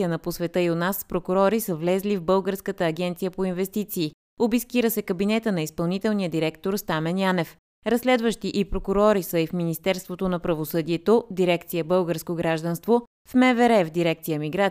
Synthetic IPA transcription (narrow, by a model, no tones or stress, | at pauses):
iənɐposvɛt̪əionaspɾokʊɾɔɾisəvlɛzlivbɤlˠɡəɾskət̪əːɡɛnt̪sijəpoinvɛst̪it̪siː | obiskiɾəsɛkəbinɛt̪ənɐispɐlˠnit̪ɛlˠnijəd̪iɾɛkt̪oɾst̪amɛnjanɛf | ɾɐslɛd̪vəʃt̪iʔipɾokʊɾɔɾisəifminist̪ɛɾst̪vot̪onɐpɾɐvosɤd̪iɛt̪od̪iɾɛkt̪sijəbɤlˠɡəɾskoɡɾaʒd̪ənst̪vo | fmɛvɛɾɛvd̪iɾɛk̚t̪sijəmiɡɾa